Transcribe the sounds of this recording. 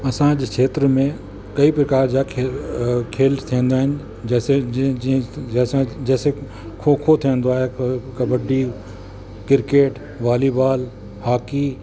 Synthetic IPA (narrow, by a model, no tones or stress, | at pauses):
ɐsãd͡ʑkʰeːt̪ɾəmẽ | kɐipɾɐkaːɾd͡ʑakʰ | kʰeːlt̪ʰiə̃nd̪aːɦɪnɪ̆ | ɐsẽ | sãd͡ʑɛːse | kʰokʰot̪ʰiə̃n̆d̪oaːɦekɐbəɖi | kɪɾkeːʈ | ʋaːlibaːl | haːki